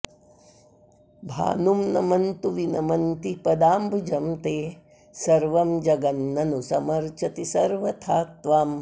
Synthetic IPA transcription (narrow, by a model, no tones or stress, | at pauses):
bʱa̰ːnumnɐmɐnt̪uʋinɐmɐnt̪ipɐd̪aːmbʱud͡ʒɐmt̪eː | sɐɾʋɐmd͡ʒɐɡɐnːɐnusɐmɐɾt͡ʃɐt̪isɐɾʋɐt̪ʰaːt̪ʋaːm